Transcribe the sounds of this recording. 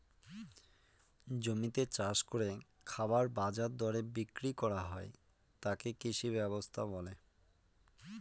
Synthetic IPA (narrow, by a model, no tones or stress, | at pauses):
d͡ʑomit̪et͡ɕaʃkoɾe | kʰabaɾbad͡ʑaɾd̪ɔɾebikɾikɔɾaɦɔe | t̪akekit͡ɕʰibɛbost̪ʰaβɔle